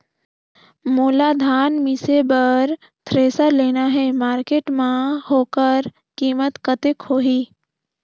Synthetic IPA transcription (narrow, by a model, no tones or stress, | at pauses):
muːlad̪ʱaːnmɪsebəɾ | t̪ʰɾeːsəɾleːnaɦɛmaːɾkeːʈmãɦoːkəɾ | kiːmət̪kət̪ekɦoːɦiː